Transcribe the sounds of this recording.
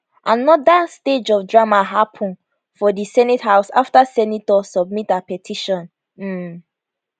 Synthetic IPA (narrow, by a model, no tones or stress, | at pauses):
ʔanɔdasted͡ʒɔfdɹamaɦapʰɔ̃n | fɔdisɛnithaʊsaftasɛnitɔsɔb̚mitapɛtʰiʃɔ̃n | m̩